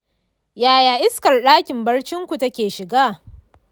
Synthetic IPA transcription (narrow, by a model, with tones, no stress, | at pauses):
jaː˨jaː˨ʔɪ˦skɐ˨rɗaː˦kʲɪ˨mbɐ˦ɽt͡ʃɪ˦ŋkʷu˨tɐ˦kʲeː˨ʃɪ˨ɡaː˦˨